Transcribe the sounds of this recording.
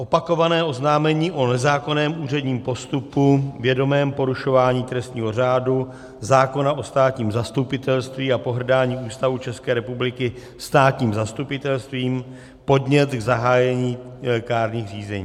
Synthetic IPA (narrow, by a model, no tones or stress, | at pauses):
ʔo̞pako̞vanɛːʔo̞znaːmɛɲiːʔo̞nɛzaːko̞nɛːmuːrɛdɲiːmpo̞st̪upuvjɛdo̞mɛːmpo̞ɾuʃo̞vaːɲiːt̪ɾɛst̪ɲiːɦo̞raːdu | zaːko̞naʔo̞st̪aːt̪ɲiːmzast̪upɪt̪ɛlst̪viːapo̞ɦr̩daːɲiːuːst̪avut͡ʃɛskɛːɾɛpublɪkɪ | st̪aːt̪ɲiːmzast̪upɪt̪ɛlst̪viːm | po̞dɲɛt̪ɡzaɦaːjɛɲiːɛkaːɾɲiːxriːzɛɲiː